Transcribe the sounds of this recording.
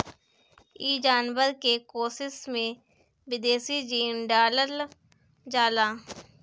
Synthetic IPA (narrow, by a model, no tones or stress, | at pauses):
iːd͡ʒaːnʋəɾkekoːsɪsmẽ | bɪd̪eːsid͡ʒiːnɖaːləl | d͡ʒaːlaː